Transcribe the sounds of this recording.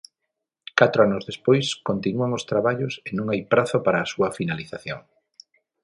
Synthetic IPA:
kat̪ɾoanʊzðespojskont̪inuaŋʊst̪ɾaβaʎʊsenõŋajpɾaθʊpaɾaːsuɐfinaliθaθjoŋ

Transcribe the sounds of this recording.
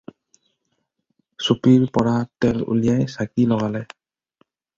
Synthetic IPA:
supiɹpɔɹatɛlṵlijajsakilɔɡalɛj

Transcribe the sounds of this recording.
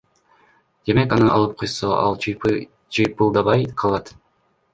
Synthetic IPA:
d̪̥e̞me̞kɑnɯɑ̰lˠɯp̚qʰojsoʔɑ̰lˠ | t͡ʃɯjpɯlˠd̪ɑβɑjqʰɑlˠɑt̪

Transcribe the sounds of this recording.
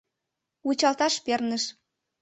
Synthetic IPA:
ut͡ɕɑlt̪ɑʃpernə̆ʃ

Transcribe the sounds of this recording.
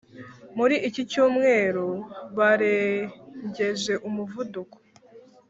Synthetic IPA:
muɾiʔicicuːmŋe̞ːɾoβaɾeɲɟe̞ʒe̞ʔumuvuduko̥

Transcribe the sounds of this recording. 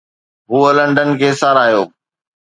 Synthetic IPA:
ɦuːələ̃ɳɖənkʰeːsaːɾaːɦijoː

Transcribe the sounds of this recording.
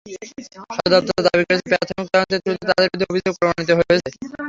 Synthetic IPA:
ʃɔɾod̪ap̚t̪ot̪od̪abikoɾet͡ɕʰepɾɛt̪ʰomik̚t̪aɾont̪et̪ɾut̪et̪ad̪eɾbd̪ʱiobʱid͡ʑoɡ̚pɾomañit̪̬oɦoeoet͡ɕʰe

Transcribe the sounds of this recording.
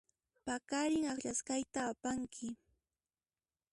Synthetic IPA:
pakaɾɪŋakʎaskajt̪aːpaŋkʰɪ

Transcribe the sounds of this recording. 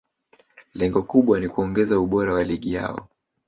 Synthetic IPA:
lɛŋɡɔkuɓwanikuɔŋɡɛzauɓɔɾawaliɠija̰ɔ̰

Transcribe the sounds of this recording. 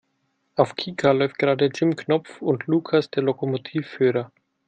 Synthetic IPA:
ʔaʊfkʰiːkʰalɔʏft̚ɡ̥əʁaːdəd͡ʒɪmkʰnɔp͡fʊntʰluːkʰasd̥eːɐlokomotʰiːfːyːʁɐ

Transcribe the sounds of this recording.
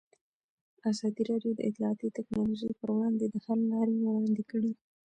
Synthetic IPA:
azɑd̪iɾɑɖjod̪ə̰ʔɪt̪lɑɑt̪it̪aknɑloʒəjpəɾwɽɑnd̪ed̪əhalːɑɾewɽɑnd̪ekəɽi

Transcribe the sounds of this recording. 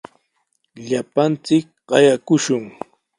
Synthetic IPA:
ʎapant͡sɪk̚ɢ̥ɑjakʊʃʊŋ

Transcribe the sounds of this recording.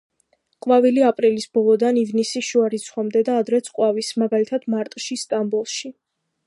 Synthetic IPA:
qʼwvaviliapʼɾilisbɔlˠɔd̪anivnisiʃuaɾit̪sʰχwamd̪ɛd̪aːd̪ɾɛt̪sʰʼqʼwavismaɡalit̪ʰad̪̥maɾt̪ʼʃist̪ʼambulˠʃi

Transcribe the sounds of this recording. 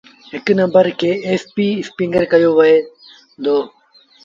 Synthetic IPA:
ɦɪknɐ̃mbəɾkʰeːeːspiːɪspĩŋɡəɾkɐjoːʋɐe | d̪oː

